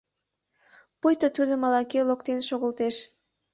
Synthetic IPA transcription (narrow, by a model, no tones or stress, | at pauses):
pujt̪ət̪yd̪ə̆mɑlɑkelok̚t̪enʃoɣə̆lt̪eʃ